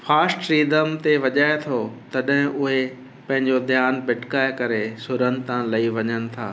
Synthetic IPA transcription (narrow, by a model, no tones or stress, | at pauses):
faːsʈɾiːd̪əmt̪eʋɐʄaːet̪ʰot̪ɐɗɦɪ̃ʔʊɦe | pɐ̃ɦɪ̃ɲd͡ʑod̪ʱjaːnbɪʈʰkaːekɐɾesʊɾən̆t̪ãlɐiʋɐɲənɪ̆t̪ʰa̰ː